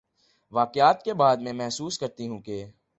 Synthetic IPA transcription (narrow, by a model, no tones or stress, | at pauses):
ʋaːqjaːt̪̚kebaːd̪mẽmɛɦsuːskɐɾt̪iɦũkeː